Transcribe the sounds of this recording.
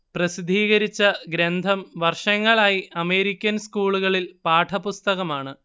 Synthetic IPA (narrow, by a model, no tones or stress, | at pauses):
prɐsid̪ʱiːɣɐɾit͡ɕːɐɡɾend̪ʱɐmʋɐrʂɐŋːɐɭaːjiʔɐme̞ːɾikʲːɐnskuːɭuɣɐɭilpaːʈʰɐpust̪ɐɣɐmaːɳɨ